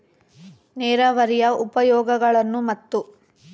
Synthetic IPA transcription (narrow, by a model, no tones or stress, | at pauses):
nɛːɾaːʋɐɾijɐʔupɐjɔːɡɐɡɐɭɐnːumɐt̪ːu